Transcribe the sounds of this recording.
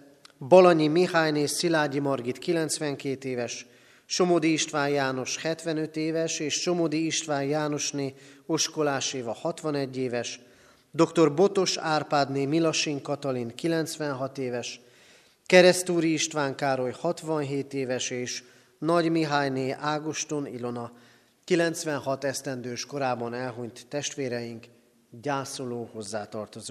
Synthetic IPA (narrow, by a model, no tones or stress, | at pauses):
bɒlɒɲimihaːjneːsilaːɟimɒrɡit̪kilɛnt̪sʋɛŋkeːt̪eːvɛʃ | ʃo̞mod̪iːʃt̪ʋaːɲjaːno̞ʃhɛt̪ʋɛnø̞t̪eːvɛʃeːʃʃo̞mod̪iːʃt̪ʋaːɲjaːno̞ʃneːo̞ʃkolaːʃeːvɒhɒt̪ʋɒnɛɟːeːvɛʃ | d̪o̞kt̪o̞rbo̞t̪o̞ʃaːrpaːd̪neːmilɒʃiŋkɒt̪ɒlinkilɛnt̪sʋɛnɦɒt̪eːvɛʃ | kɛɾɛst̪uːɾiiʃt̪ʋaːŋkaːɾo̞jhɒt̪ʋɒnɦeːt̪eːvɛʃeːʃ | nɒɟmiɦaːjneːʔaːɡoʃt̪onḭlo̞nɒ | kilɛnt̪sʋɛnɦɒt̪ɛst̪ɛnd̪øːʃko̞ɾaːbɒnɛlɦuɲt̪ːɛʃt̪ʋeːɾɛjiŋk | ɟaːsoloːho̞zːaːt̪ɒrt̪o̞zoː